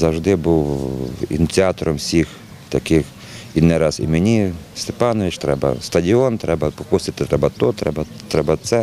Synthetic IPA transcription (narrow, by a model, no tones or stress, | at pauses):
zɐwʒd̪ɪbuwḭnʲit̪t͡sʲiɑt̪ɔɾɔmsʲix | t̪ɐkɪx | inɛɾɑzḭmenʲist̪e̥pɑnɔʋʲɪt͡ʃt̪ɾɛbɐ̰st̪ɐdʲɪɔnt̪ɾɛbɐpɔkust̪ɪt̪ɪt̪ɾɛbɐt̪ɔt̪ɾɛbɐt̪ɾɛbɐt̪sɛ